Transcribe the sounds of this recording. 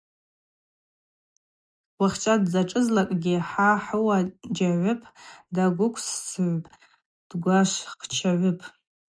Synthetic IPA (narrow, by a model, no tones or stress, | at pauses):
waχʲt͡ʃʼadzaʈ͡ʂʼɨzlakʼɡʲɪħaħʊwad͡ʒaʕʷʊpʰʼdaɡʷʊkʷʰssɨʕʷpʼ | d̥ɡʷaʃʷχt͡ʃʰaʕʷʊpʼ